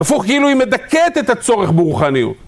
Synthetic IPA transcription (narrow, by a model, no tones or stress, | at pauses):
afuχkeiluimed̪aket̪et̪at͡so̞ʁeχbeʁuχaniṵt